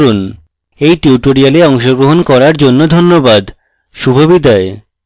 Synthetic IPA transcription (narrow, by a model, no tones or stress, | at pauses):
ɾun | ejʈiuʈoɾialeɔŋʃoɡɾoɦonkɔɾaɾd͡ʑonːod̪ʱonːobad̪ | ʃubʱobid̪ae